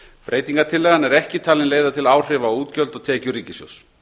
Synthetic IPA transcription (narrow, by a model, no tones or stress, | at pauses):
pɾʔeːjt̪iŋkaɾt̪ʰɪlːɛːɣanɛɾɛhcɪt̪ʰaːlɪnleːjðat̪ʰɪlaːwr̥ɪvauːt̪cœlt̪ɔɣt̪ʰɛːcʏɾiːcɪsjɔ̰ws